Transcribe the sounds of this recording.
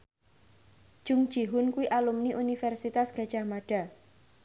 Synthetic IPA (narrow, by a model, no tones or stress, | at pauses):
d̥ʒ̥ʊŋd̥ʒ̥iɦʊnkuwiʔalumniʔunifɛrsit̪asɡ̥a̤̥ʒ̥a̤hmaɖ̥a̤